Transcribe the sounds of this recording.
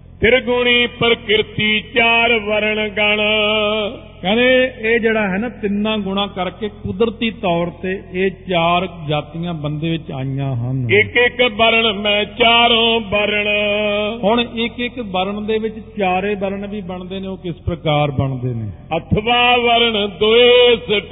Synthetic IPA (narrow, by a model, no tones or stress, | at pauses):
t̪ʰɪɾɡʊɳ̃iːpəɾkɪɾt̪iːt͡ʃaːɾʋəɾəɳɡəɳ | kɛ̃ːneːeːd͡ʒeːɽaːɦɛːnaːt̪ɪnːãːɡʊɳ̃ãːkəɾkeːkʊd̪ɾt̪iːt̪ɔːɾt̪eːeːt͡ʃaːɾd͡ʒaːt̪ijãːbənd̪eːʋɪt͡ʃa̰ːijãːɦənɪkɪkbəɾəɳmɛ̃ːt͡ʃaːɾõːbəɾəɳ | ɦoɳɪkɪkbəɾəɳd̪eːʋɪt͡ʃt͡ʃaːɾeːbəɾəɳʋiːbəɳd̪eːneːoːkɪspɾəkaːɾbəɳd̪eːnḛː | ət̪ʰʋaːʋəɾəɳd̪oeːsəʈ